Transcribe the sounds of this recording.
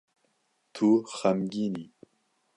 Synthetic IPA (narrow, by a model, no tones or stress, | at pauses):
t̪ʰuxamɡini